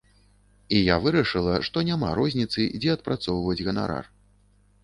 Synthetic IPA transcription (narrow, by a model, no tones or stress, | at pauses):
ijavɨɾɐʂɨlˠɐʂt̪ɔnʲama̰ɾɔzʲnʲit̪sɨd͡zʲɛɐt̪̚pɾʔat̪sɔwvɐd͡zʲɣɐna̰ɾa̰r